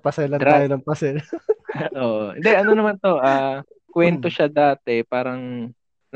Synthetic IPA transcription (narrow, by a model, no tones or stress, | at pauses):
pɐsɛlɐnɾaːjonɐŋpɐsɛl | ʔoːʔohɪ̰nd̪ɛʔɐno̞nɐmant̪o̞ʔaː | kwɛnt̪o̞ʃad̪aːt̪ɛpaːɾɐŋ | n